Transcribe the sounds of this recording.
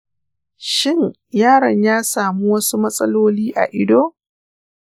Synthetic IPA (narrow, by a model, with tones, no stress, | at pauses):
ʃɪ˦ɲ | jaː˦˨ɾɐ˨ɲjaː˦saː˨mu˦wɐ˦su˦mɐ˦sʼɐ˦loː˦liː˦ʔa̰˨ʔɪ˦doː˦